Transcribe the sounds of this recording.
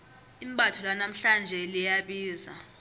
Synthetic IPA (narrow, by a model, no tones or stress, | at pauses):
imɓatʰɔlanam̩ɬand͡ʒʱɛlijaɓiːza̰